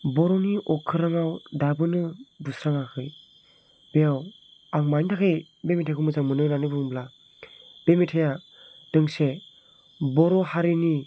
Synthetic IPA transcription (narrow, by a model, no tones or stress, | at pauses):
bɔɾɔniʔɔkʰːɯɾaŋawdabɯnɯbusɾaŋakʰɯj | bejaw | aŋmajntʰakʰɯj | bemitʰajkʰɯmɯzaŋmɯnɯɾanɯbɯbla | b̥emitʰaja | d̥ɯŋse | bɔɾɔhaɾini